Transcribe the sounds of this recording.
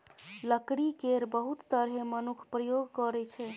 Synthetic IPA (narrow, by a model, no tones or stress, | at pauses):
ləkɽikeɾbəɦut̪ːəɾɦemənukʰpɾəjoɡkɔɾɛt͡ʃʰɛ